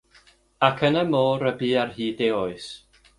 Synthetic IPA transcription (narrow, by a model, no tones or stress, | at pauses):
akʰənəmoːɾəbiːarhiːdeɔɨs